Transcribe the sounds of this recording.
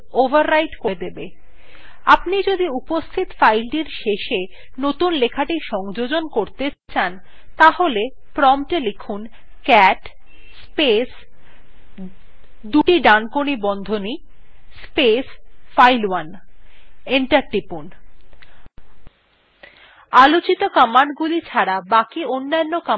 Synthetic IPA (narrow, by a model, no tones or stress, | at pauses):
obʱaɾːajʈkoed̪ebe | apnid͡ʑod̪iupost̪ʰit̪fajlɖiɾʃeʃe | not̪unlekʰaʈiʃɔŋd͡ʑod͡ʑonkoɾt̪et͡ɕʰan | t̪aɦole | pɾɔmʈelekʰun | kɛʈ | spes | d̪uʈiɖankonibɔnd̪ʱoni | spesfajlwan | eɳʈaɾʈipun | alot͡ɕit̪okamanɡulit͡ɕʰaɾabakionːanːoka